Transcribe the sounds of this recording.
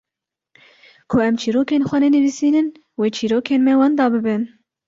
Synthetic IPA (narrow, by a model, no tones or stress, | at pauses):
kʰʊʔɛmt͡ʃʰiːɾoːkeːnxʷɛnɛnɨvisiːnɨn | weːt͡ʃʰiːɾoːkʰeːnmɛwɑːnd̪ɑːbɨbɨn